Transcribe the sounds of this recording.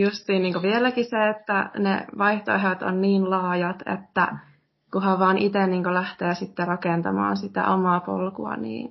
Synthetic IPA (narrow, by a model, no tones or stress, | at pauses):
just̪iːnniːŋkoʋielækiseet̪ːænḛʋɑjht̪o̰eɦot̪o̰nniːnlɑːjɑt̪ḛt̪ːæ̰ | kuhɑʋʋɑːnʔit̪eniːŋkolæht̪eːsit̪ːerɑkent̪ɑ̰mɑ̰ːnsit̪æ̰ʔomɑːpo̰lkuɑ̰nḭːn